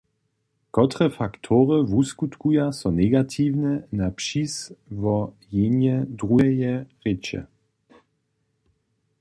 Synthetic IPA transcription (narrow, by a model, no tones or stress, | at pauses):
kɔt̪ʁɛfakt̪ʰɔʁəvuskut̪kujasɔnɛɡat̪ʰiːvnɛnapʃisvɔ | jenjɛdʁuɛjɛʁɪt͡ʃɛ̰